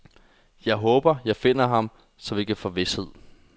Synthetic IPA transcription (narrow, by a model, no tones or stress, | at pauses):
jɑ̈ɪɦɔ̽ːb̥ɐjɑ̈ɪfe̝n̰ɐɦɑ̈m | sɒ̽me̝ɡ̥əfɒ̽ʋe̝she̝ð̞̰ˠ